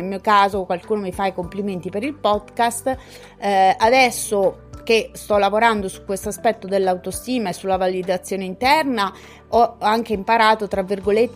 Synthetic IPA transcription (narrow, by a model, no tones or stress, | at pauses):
elmiːokaːzokwalkuːnomifajkompliment̪ipeɾilpɔd̪kast̪ | ad̪ɛsːo | k̟est̪ɔlːavoɾand̪osu̥kːwest̪oaspɛt̪ːod̪elːawt̪ost̪iːmaesːulːavalid̪at̪sːjoːneint̪ɛrna | ɔaŋk̟eimpaɾaːt̪ot̪ɾavːirɡolet̪ː